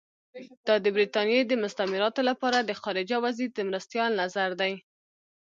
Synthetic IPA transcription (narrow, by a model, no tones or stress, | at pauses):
d̪̥ɑd̪əbɾit̪ɑnjed̪əmʊst̪amɪɾɑt̪olapɑɾad̪əxɑɾɪd͡ʒawazid̪əmɾast̪jɑlnazaɾd̪aj